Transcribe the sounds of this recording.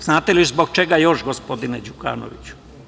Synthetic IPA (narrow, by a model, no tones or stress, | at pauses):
znaːt̪elizboɡ̚t͡ʃeɡajo̞ʃɡospod̪ined͡ʑuka̰ːno̰ʋḭt͡ɕu̥